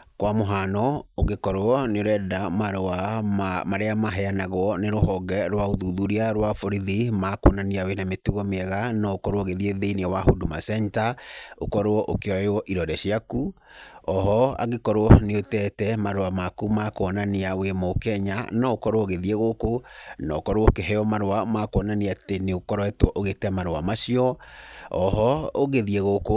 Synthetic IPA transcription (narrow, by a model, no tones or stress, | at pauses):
kwamoɦanɔoɣekɔɾoɔneoɾɛdamaɾoamamaɾeamaɦɛanaɣwɔneɾohɔɡɛɾwaoðuðuɾiaɾwafoɾiðimakwɔnaniawenametuɣɔmeɛɣanɔokɔɾwɔɣeðieðeineɔwaɦodumasɛɲtaokɔɾoɔʔokeɔeɔʔiɾɔɾɛʃiakuɔɦɔa̰ɣekɔɾwɔneotɛtɛmaɾoamakumakoɔnaneawemɔokɛɲanɔokɔɾowɔoɣeðieɣokonɔkɔɾowokeɦɛɔmaɾoamakwɔnaneateneokɔɾwɛtwɔʔoɣetɛmaɾoa̰maʃiɔɔɦɔoɣeðieɣoko